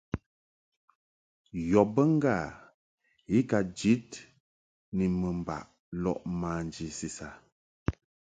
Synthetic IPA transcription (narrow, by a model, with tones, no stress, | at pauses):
jɔ˨bə˦ŋ̩˦ɡa˦˨ | i˦ka˨d͡ʒi˦t | ni˨mə˨m˨ba̰˨ʔ | lɔ̰˦˨ʔmaː˨n˨d͡ʒi˨si˨sa˨